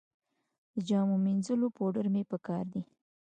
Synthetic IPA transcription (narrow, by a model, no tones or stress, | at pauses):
d̪əd͡ʒɑmominzəlopoɖəɾmepəkɑɾd̪i